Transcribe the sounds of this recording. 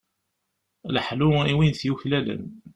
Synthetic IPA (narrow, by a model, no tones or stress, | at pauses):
ləħluiwinθjuçlælə̰n